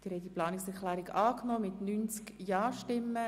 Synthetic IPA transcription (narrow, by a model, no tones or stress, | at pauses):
d̥iɾhɛtiplɑːnɪksɛɾχlɛːɾiɡɑːknoːmɪtnynt͡skjɑːʃtɪmːə